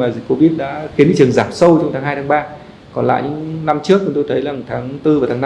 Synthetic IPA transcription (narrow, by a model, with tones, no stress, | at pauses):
maː˨˩zi˨˩k̚ko˧˦vi˦˥t̚ɗa̰ː˧˥xi˨˦nɲɨ̰˧˥˩ɨ˨˩əŋzaː˨˩p̚sə˧wt͡ɕɔ˧ŋ͡mt̪ʰaː˨˦ŋɦaː˧jt̪aː˨˦ɓaː˧ | kɔ˨˩nla̰ː˧˨jɲɨ̰˧˥ŋna˧mt͡ɕɨ˦˥ək̚t͡ɕʊ˨˧˦ŋ͡mt̪o˧jt̪ʰə˨˦jlaː˨˩ŋ˩t̪ʰaː˨˦ŋt̪ɨ˧vaː˨˩t̪ʰaː˨˦na˧